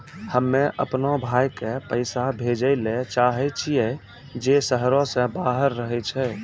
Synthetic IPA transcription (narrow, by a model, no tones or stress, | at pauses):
həmːẽʔə̰pnobʱaːjkepəɪsabʱed͡ʒəlet͡ʃaːɦɛt͡ʃʰijɛ | d͡ʒesəɦɾõsə̃baɦəɾːəɦɛt͡ʃʰɛ